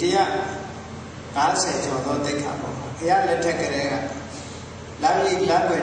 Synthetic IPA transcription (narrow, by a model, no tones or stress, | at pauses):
təja̰ʔ | ŋasʰɛt͡ɕʰɔ̃nd̪ɔt̪ekʰã̰bɔ̰ʔəja̰ʔlɛtʰɛʔkːəɾɛɡa̰ | laʔəliklãpwɛ